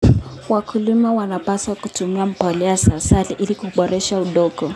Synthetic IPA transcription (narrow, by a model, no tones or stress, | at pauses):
wakulimɛwanapaswakutumiam̩palɛasaːsaliʔilikuɓɔɾɛʃauɗɔɡɔ